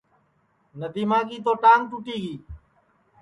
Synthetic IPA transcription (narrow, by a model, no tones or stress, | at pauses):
nəd̪iːmaːɡiːt̪̬oːʈaːŋʈuʈiːɡiː